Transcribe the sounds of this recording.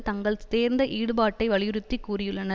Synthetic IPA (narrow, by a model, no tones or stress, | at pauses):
t̪ɐŋɡɐɭt̪eːɾnd̪ɐʔiːɽɯbaːʈːɐɪʋɐɭɪjɯɾɯt̪ːikːuːrɪjɯɭːɐnɐ